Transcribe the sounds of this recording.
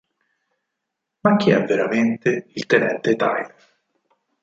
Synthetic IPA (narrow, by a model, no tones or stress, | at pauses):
mak̟ːiɛvːeɾament̪eilt̪enɛnt̪et̪a̰jle